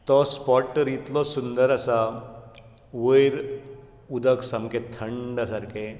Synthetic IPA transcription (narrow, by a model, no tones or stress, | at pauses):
t̪ɔspɔʈːəɾit̪lɔsund̪əɾəsa | ʋəjɾ | ud̪əksamkẽt̪ʰəɳɖəsaɾke